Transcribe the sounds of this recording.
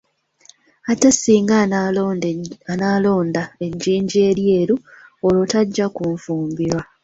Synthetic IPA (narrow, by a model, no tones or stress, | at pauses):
atasiːŋɡa | analo̞ːndae̞ɲɟiːɲɟie̞ːɾje̞ːɾuolotaɟːakuɱfuːmbiɾwa